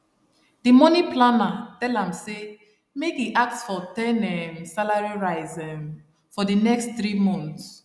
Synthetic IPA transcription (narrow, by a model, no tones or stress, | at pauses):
dimɔniplanatɛlãmse | mekiʔak̚tsfɔtɛ̃nɛmsalaɹiɹaɪzɛ̃m | fɔdinɛkstθɹimɔ̃nθts